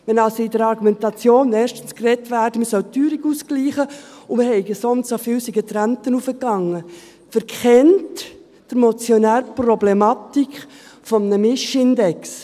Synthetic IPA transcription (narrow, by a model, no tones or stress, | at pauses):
ʋɛnɑlsoidəɾɑɾɡumɛntɑt͡sjoːnɛːɾʃtən̩skrɛtʋæːɾdəməsœltyːɾiɡuskliːχəʊməhɛɪɡəsɔnssofiːwsiɡətɾæntənufəkɑŋːə | fəɾkʰχɛnt | d̥əɾmɔt͡sjɔnæːɾəprɔblɛmɑtikχfɔmnəmɪʃɪndɛks